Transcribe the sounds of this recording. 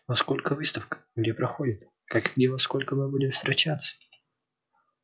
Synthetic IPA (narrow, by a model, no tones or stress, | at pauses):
vɐsko̞lʲkəvɨst̪əfkə̥ɡdʲepɾɐxo̞dʲɪt̪̚ | kakɡdʲevɐsko̞lʲkəmɨbudʲɪmst̪ɾʲɪt͡ɕat̪sːə̥